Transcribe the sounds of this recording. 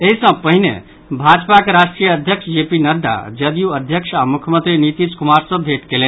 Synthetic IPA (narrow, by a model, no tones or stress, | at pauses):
eɦisə̃pəɦinḛ | bʱad͡ʒpakeɾaʃʈɾijəəd̪ʱjəkʃd͡ʒepinəɾd̪ʱa̰d͡ʒəd̪ijuəd̪ʱjəkʃamʊkʰjəmə̃nt̪ɾinit̪iskʊmaːɾsə̃bʱeʈkelẽn